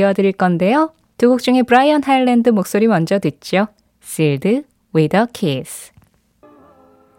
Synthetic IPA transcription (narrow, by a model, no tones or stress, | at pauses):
ʌdɯɾiɭk͈ʌnde̞jo | tuɡuk̚t͡ɕ͈uŋe̞pɯɾaiʌnɦaiɭːendɯmok̚s͈oɾimʌnd͡ʑʌdwet̚t͡ɕ͈o | siɭdɯ | wedʌkʰes